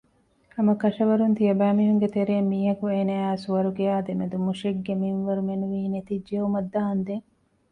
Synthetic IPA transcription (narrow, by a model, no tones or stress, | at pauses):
ɐmɐkɐʃɐʋɐɾunt̪ijɐbæːmiɦuŋɡet̪eɾeːmːiːɦɐkueːneaːsuʋɐɾuɡeaːd̪emed̪umuʃeɡːeminʋɐɾumenuʋiːnet̪id͡ʒːeumɐd̪ːaɦɐnd̪eŋ